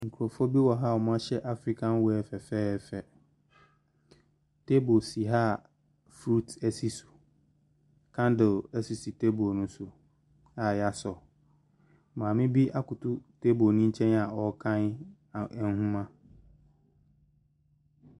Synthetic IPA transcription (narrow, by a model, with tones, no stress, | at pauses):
ŋ̩˨kʰu˨ɾɔ˨fɔ˦bi˦wɔ˨ɦa˦˨ɔ˨mã˦ɕɛ˦ʔa˦fɾi˦kʰã˦n˦wɛ˦ɛ˨fɛ˨fɛː˦fɛ˨ | tʰe˦bo˨si˨ɦa˦˨ | fɾu˦tʰɛ˦si˦su̥˨ | kʰã˦ndɪ˨lɛ˦si˦si˨tʰe˦bo˨nʊ̃˦sʊ˨ | a˦˨ja˦sɔ˨ | mãː˨mɪ̃˦bi˦ʔa˦kʊ˨tʰʊ˦tʰe˦bo˨nĩ˦ɲ̩˦t͡ɕʰɛ̃˦na˨ɔ˨kʰã˦n˨ | n˦hũ˦mã˦